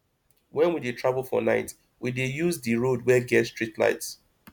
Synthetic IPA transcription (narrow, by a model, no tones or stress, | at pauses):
wɛ̃nwidetʰɹavəlˠfɔ̰naɪt | widejuzdɨɹodwɛɡɛtstɹitla̰ɪts